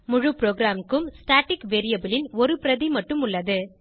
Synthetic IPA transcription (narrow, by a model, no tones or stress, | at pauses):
mʊɻʊpɾoːɡɾaːmkɯmsʈaːʈːɪkʋeːɾɪjɐbɪlɪnɔɾɯpɪɾɐðimɐʈːɯmʊɭːɐðɯ